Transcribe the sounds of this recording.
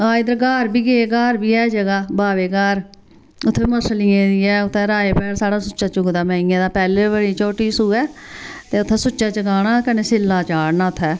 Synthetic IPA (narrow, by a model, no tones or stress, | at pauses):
aːɪd̪əɾɡaːɾbiːɡeɡaːɾbiːɛːd͡ʒəɡaːbaːʋeːɡaːɾ | ʊt̪ʰːeːiːməsliːẽːd̪ɪɛːʊt̪ʰːɛ̃ːɾaːeːpɛːɽsaːɽaːsʊːt͡ʃʃaːt͡ʃʊɡd̪aːmɛ̃ːĩːãːd̪aːpɛːleːbəɽiːt͡ʃoːʈiːsuːɛːt̪eːʊt̪ʰːɛ̃ːsʊt͡ʃʃaːt͡ʃəɡaːɽaːkəneːsɪlːaːt͡ʃaːɽnaːt̪ʰːɛː